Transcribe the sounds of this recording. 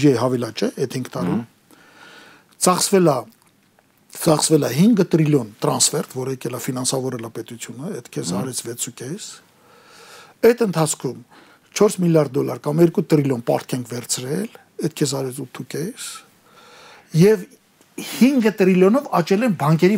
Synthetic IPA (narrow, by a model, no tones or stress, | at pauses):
iɛɦɑvɛlɑt͡ʃɛɛt̪ʰhiŋɡt̪ɑɾu | t͡sɑχsvɛlɑ | t͡sɑχsvɛlɑɦiŋɡət̪ɾiljɔnt̪ɾɑnsfɛɾt̪ʰvɔɾəɛkɛlɑfinɑnsɑvɔɾɛlɑpɛt̪ut͡sʰjunəɛt̪kʰɛsɑɾɛt͡sʰvɛt͡sʰukɛs | ɛt̪ənt̪ʰɑt͡sʰkʰum | t͡ʃʰɔɾsmiljɑɾd̪̚ːɔlɑɾkɑmɛɾkut̪ɾiljɔnpɑ̰ɾt̪̚ʰkʰɛŋkʰvɛɾt͡sʰɾɛl | ɛt̪̚kʰɛs̬ɑɾɛt͡sʰut̪ʰːukʲɛs | jɛv | hiŋɡət̪ɾiljɔnɔvɑt͡ʃɛlɛnbɑŋkɛɾi